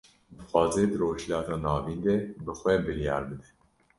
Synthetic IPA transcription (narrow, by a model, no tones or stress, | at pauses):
d̪ɨxʷɑːzeːd̪ɨɾoːʒlɑːt̪ɑːnɑːviːnd̪ebɨxʷɛbɨɾijɑ̰ːɾbɨd̪ɛ̥